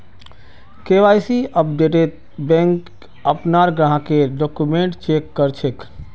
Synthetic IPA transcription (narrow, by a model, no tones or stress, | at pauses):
keʋajsiʔəp̚ɖeʈet̪̚ | bɛ̃ŋk | əpnaɾɡɾãɦkeɖokumẽɳʈt͡ʃekːəɾt͡ʃʰek